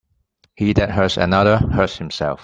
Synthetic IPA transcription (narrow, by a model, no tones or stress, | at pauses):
hiðɨt̚ɦɜ˞sə̰nʌðə˞hɜ˞shɪ̃msɛ̰lˠf